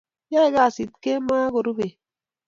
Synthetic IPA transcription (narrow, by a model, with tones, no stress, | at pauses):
ja˦e˨ɡa˨si˨t̚ke˦ma˦ɡo˨ɾu˦be˨